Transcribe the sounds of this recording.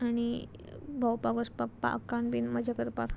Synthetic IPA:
aɽ̃i | bʱawpaɡospapa̰kãnbinməd͡ʑakəɾpak

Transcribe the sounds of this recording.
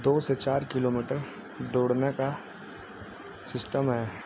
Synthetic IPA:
d̪oːset͡ʃaːɾkɪloːmiːʈəɾ | d̪oːɽneka | sɪsʈəmɦɛː

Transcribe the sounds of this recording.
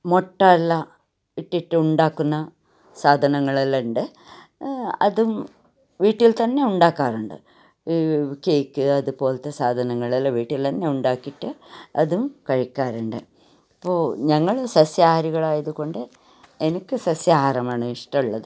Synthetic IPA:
moʈːaːlːɐ | iʈːiʈːɨuɳɖaːkːunːɐ | saːd̪ʱɐnɐŋːɐɭɐlːɐɳɖɨ | ɐ̰ðum | ʋiːʈːilt̪ɐnːe̞uɳɖaːkːaːruɳɖɨ̰ | ikeːkːɨɐðupo̞ːlt̪ːesaːd̪ʱɐnɐŋːɐɭɐlːɐʋiːʈːilt̪ɐnːe̞uɳɖaːkːiʈːɨɐ̰ðumkɐɻikʲːaːɾuɳɖɨ | ɐpːoːɲɐŋːɐɭsɐsjaːhɐɾiɣɐɭaːjɐðuko̞ɳɖɨ | e̞nikʲːɨsɐsjaːhɐrɐmaːɳɨiʂʈɐmuɭːɐðɨ

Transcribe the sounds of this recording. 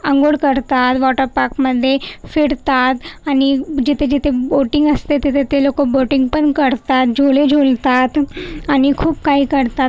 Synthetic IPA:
əŋɡoɽkəɾt̪at̪ʋɔʈəɾpakməd̪ʱːjefiɽt̪at̪añid͡ʑit̪ʰed͡ʑit̪ʰeboʈiŋɡəst̪et̪et̪ʰet̪elokoboʈiŋɡpəɳkəɾt̪at̪̚d͡ʑʱoled͡ʑʱolt̪at̪añikʰuːpkaɦiːkəɾt̪at̪

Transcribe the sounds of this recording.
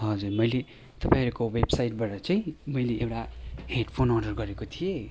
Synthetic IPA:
ɦʌd͡zurmʌjle | t̪ʌpãĩʌɾukowebsajʈ̚baʈʌt͡saĩmʌjleʔewʈaheɖpʰonʌrɖʌrɡʌɾekot̪ʰije

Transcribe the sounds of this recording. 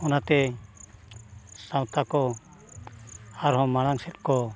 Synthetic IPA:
ɔnat̪ɛ | sawt̪akɔ | aɾɦɔ̃maɽ̃aŋsɛt̪̚kɔ

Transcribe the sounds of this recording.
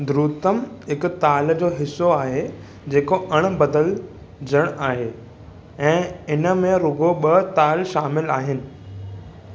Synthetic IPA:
d̪ɾuːt̪əmɦɪkt̪aːld͡ʑoːɦɪsːoaːɦe | d͡ʑeːkoʔɐɽ̃bɐd̪əl | d͡ʑəɽ̃aːɦeː | ɛ̃ːɪnə̆mẽɾʊɡoɓɐt̪aːlʃaːmɪlaːɦɪnɪ̆

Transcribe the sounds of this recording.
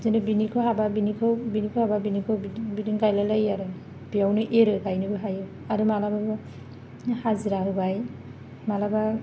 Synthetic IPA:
zenɯbinikʰɯɦababinikʰɯwbinikʰɯhababinikʰɯwbibidɯŋɡajlalajaɾɯ | bijawnɯʔeɾɯɡajnɯbɯɦajɯ | aɾɯmalabaɯ | haziɾaɦɯbaj | malaba

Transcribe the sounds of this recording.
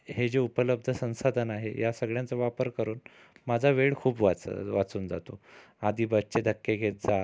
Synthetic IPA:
hed͡ʑeupələb̚d̪ʱəsə̃w̃sad̪ʱənaɦḛjasəɡɭjãnt͡səʋapəɾkəɾuːn | mad͡zʱaʋeɭkʰuːpʋa̰ʋat͡suːnd͡za̰t̪o | ad̪ʱiːbət̪t͡ɕed̪ʱəkːeɡʱet̪̚d͡za

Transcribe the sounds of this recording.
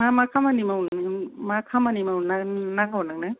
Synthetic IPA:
mamakʰamanimaunmakʰamanimananakʰawunak̚nɯ

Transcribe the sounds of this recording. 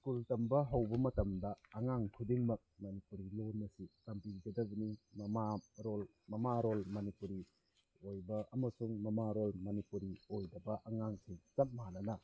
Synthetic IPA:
skultɐmbɐɦɐwbɐmɐtɐmdɐːŋaŋkʰudiŋmɐk̚mɐnipuɾilonːɐsikɐmpiɡɐdɐbɐnimɐmaɾol | mɐmaɾolmɐnipuɾi | ojbɐʔɐmɐsuŋmɐmaɾolmɐnipuɾiojdɐbɐʔɐŋaŋsiŋt͡ʃɐt̚manɐnɐ

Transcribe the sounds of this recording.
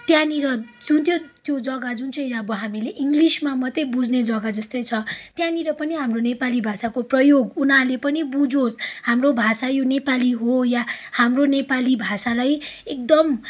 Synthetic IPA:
t̪janiɾʌd͡zunt̪jot̪jod͡zʌɡad͡zunt͡sʰʌjnabʌɦamileʔiŋɡlismamʌt̪ʌbud͡zned͡zʌɡad͡zʌst̪ʌjt͡sʰʌt̪jãniɾʌpʌniɦamronepalibʱasakoprʌjoɡunɦalepʌnibud͡zoshamrobʱasajonepaliɦojahamronepalibʱasalajek̚d̪ʌm

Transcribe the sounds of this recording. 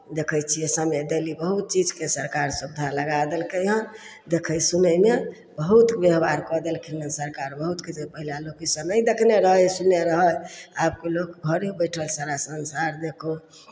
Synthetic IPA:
d̪ekʰəjt͡ʃʰiesəmed̪elibəɦut̪̚t͡ʃid͡ʒkesəɾkaɾsub̚d̪ʱaləɡad̪əlkəjɦə̃ | d̪ekʰəjsunəjme | bəɦut̪bjeɦbaɾkəd̪elkʰinəsəɾkaɾbəɦut̪kit̪epəɦilalokisə̃nəjd̪ekʰneɾəɦəjsuneɾəɦəjab̚kelokbʱəɾebəjʈʰəlsaɾasənsaɾd̪ekʰo

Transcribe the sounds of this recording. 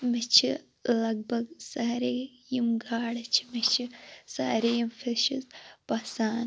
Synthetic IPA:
mit͡ʃʰi | lɐɡ̚bʱɐɡsaːɾe | jimɡaːɽɐt͡ʃʰi̥mit͡ʃʰisaːɾejimfʰiʃizpɐsaːn

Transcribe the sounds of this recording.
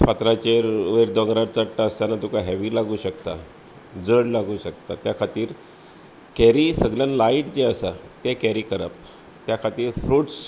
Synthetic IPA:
pat̪ɾat͡ɕeɾʋeɾd̪ɔ̃ŋɡɾaɾt͡saʈːaəst̪anat̪ukaɦɛʋiːlaɡuːɕəkt̪a̰ | d͡zəɽlaɡuːɕək̚t̪at̪jakʰat̪iːɾ | kɛɾiːsəɡljãnlaiʈd͡ʑeəsat̪ekɛɾiːkəɾə̰p̚ | t̪jakʰat̪iːɾfɾuːʈs

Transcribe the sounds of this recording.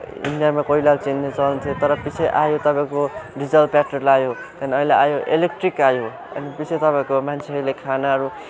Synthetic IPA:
ḭnjamakʌilalt͡sinːet͡sʌnt̪ʰjot̪ʌɾʌpisʰeʔajot̪ʌpãẽkoɖid͡zʌlpaʈʌrlajo | t̪aniʌilaajoʔḛlek̚ʈrikajo | ʌ̰nipit͡sʰet̪ʌpãẽkomant͡sʰeʌɾulekʰanaɦʌɾu

